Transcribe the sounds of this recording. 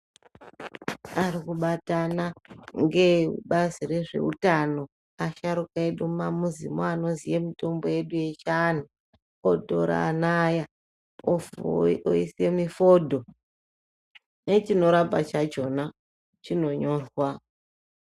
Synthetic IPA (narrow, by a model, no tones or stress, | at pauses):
aɾikuɓatanaŋɡe̞ɓaziɾe̞ʐe̞̰ṵtano̞ | aʃaɾukaeɗumamuzḭmoano̞nzije̞mito̞mbo̞je̞ɗuje̞t͡ʃan̤u | odʱo̞̰ɾa̰naja | o | oisemifo̞dʱo̞ | ne̞t͡ʃino̞ɾabat͡ʃat͡ʃo̞na | t͡ʃino̞ɲo̞ːrwa